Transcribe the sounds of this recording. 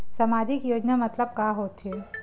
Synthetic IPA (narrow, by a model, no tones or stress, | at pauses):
sɐmaːd͡ʒɪkjoːd͡ʒnamɐt̪ləb̚kaːɦoːt̪ɦeː